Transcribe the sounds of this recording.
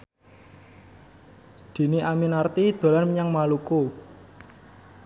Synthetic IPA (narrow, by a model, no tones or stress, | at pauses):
d̪̥i̤niʔaminart̪id̪̥o̤lanməɲaŋmaluku